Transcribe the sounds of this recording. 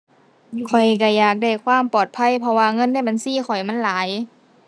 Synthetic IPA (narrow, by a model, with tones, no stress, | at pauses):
kʰɔ˨˩jka˧˩jaː˨˩k̚da˧˩jkʰwaː˧˥˨mpɔː˨˩t̪̚pʰa˧˥˨jpʰɔ˧waː˧ŋɤ˧˥˨nda˧˥˨ba˨nsiː˧˥˨xʰɔ˨˩jma˧˥˨nlaː˨˦j